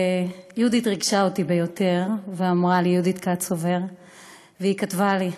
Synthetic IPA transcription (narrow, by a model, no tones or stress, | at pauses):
jud̪it̪ʁiɡʃaot̪ibe̞jo̞te̞ʁveamʁalijud̪it̪kat͡sove̞ʁ | veikat̪vali